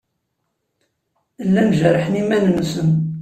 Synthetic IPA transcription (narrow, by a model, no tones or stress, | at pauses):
lːænʒəɾˤħnimænnusən